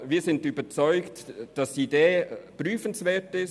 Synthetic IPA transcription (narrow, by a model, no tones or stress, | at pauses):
viːɐzɪntybət͡sɔʏktd̥ɑsideːpʁyːfənsvɛːɐtɪs